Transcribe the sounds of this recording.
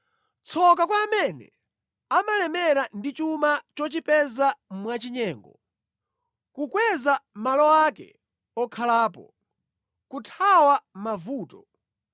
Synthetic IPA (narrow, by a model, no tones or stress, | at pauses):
t͡sʰɔkakwaːmɛnɛ̰ | amalɛmɛɾandit͡ʃumat͡ʃɔt͡ʃipɛzam̩mwat͡ʃiɲɛːŋɡɔ | kukwɛzamalɔakɛ̰ | ɔkʰalaːpɔ̰ | kutʰawamavuːtɔ